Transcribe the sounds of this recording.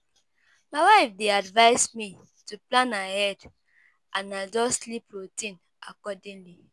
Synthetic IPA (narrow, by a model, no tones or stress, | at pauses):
maɪwaɪfdeadvaɪsmi | tuplãnahɛd | ãnad͡ʒɔslipɹotĩn | akɔdĩnli